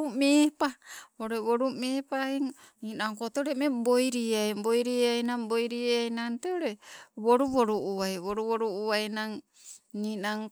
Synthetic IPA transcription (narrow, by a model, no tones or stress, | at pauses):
umepaoɾeβoɾumeːpaiŋ | ninaŋkot̪oɾemebojɾiajbojɾiajnambojɾiajnanteoɾeβoɾuβoɾuʔuβajβoɾuβoɾuuβajnaŋ | ninaŋ